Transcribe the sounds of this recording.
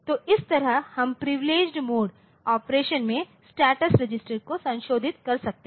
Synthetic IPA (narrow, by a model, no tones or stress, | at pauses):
t̪oːɪst̪ɐɾəɦhɐmpɾɪʋɪleːd͡ʒɖmoːɖ | ɔːpɾeːʃənmẽ | sʈɛːʈəsɾɪd͡ʒɪsʈəɾkosɐ̃nʃoːd̪ʱɪt̪kɐɾsɐk̚t̪e